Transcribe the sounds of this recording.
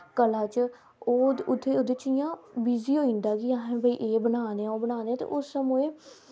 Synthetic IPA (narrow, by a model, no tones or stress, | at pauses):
kəlãːt͡ʃ | oːʊt̪ʰːeːod̪et͡ʃijãːbiːziːɦoːĩːnd̪aːkɪaːɦẽbəiːʔeːbənaːneãːoːbənaːneãːt̪ḛːʔʊsːəmoẽː